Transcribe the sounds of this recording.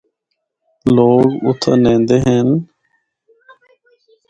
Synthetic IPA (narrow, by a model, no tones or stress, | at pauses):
loːɡʊt̪ʰaːnẽːnd̪eːɦeːn